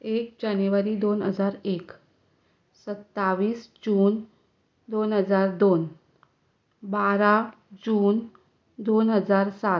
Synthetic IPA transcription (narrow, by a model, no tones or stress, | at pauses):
ek̚d͡ʑanuʋaɾiːd̪onɦəd͡zaɾek | sət̪ːaʋiːsd͡ʑuːn | d̪onɦəd͡zaɾd̪on | baɾa | d͡ʑuːn | d̪onɦəd͡zaɾsat̪